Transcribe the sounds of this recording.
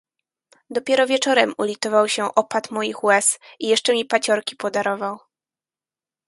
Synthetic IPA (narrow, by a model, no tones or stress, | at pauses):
d̪ɔpʲjɛɾɔvʲjɛt͡ʂɔɾɛmulʲit̪ɔvawɕɛʔɔpat̪mɔjixwɛsijɛʂt͡ʂɛmʲipat͡ɕɔɾkʲi̥pɔd̪aɾɔvaw